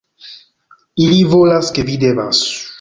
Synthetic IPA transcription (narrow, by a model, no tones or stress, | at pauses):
ilivolaskevid̪eβasu̥